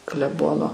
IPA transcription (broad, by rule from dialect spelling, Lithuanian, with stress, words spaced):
klʲɛˈboːnoː